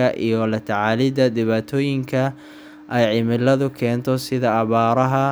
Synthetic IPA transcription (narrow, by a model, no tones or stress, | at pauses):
ɐʔḭjɔlɐt̪ʰɐʕalɪd̪ɐd̪ɪβaːt̪ʰɔːjɪŋkʰɐ | ʔɛjʕɪmɪlɐðʊkʰɛːnt̪ʰɔsɪðɐːβaːɾɐɦɐ